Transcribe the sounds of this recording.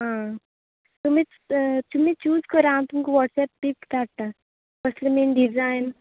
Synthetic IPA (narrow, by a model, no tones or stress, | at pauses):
ɦã | t̪um̤ĩ | t̪um̤ĩt͡ɕuːzkəɾant̪umkoʋɔʈsɛpːikd̪aʈ̚t̪a | pəslemenɖid͡zajn